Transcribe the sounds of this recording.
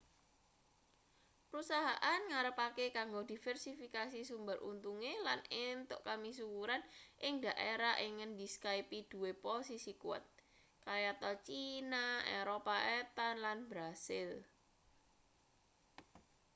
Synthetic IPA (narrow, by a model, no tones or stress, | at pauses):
pəɾusaɦaʔanŋaɾəpakekaŋɡod̥̪i̤fɛrsifikasisumbərʔṵnt̪uŋelanint̪ʊʔkamis̬ukuɾanʔɪŋd̪a̤ʔeɾaʔiŋənd̪iskaipid̪̥ṳweposisikuwa̰t̪̚ | kaɾijat̪ɔt͡ʃinaeɾopaet̪ɔnlanbɾasɪl